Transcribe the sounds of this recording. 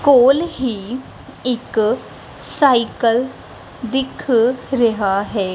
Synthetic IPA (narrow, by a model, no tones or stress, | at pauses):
koːlɦiː | ɪk | saːikəl | d̪ɪkʰɾəɦaɦɛː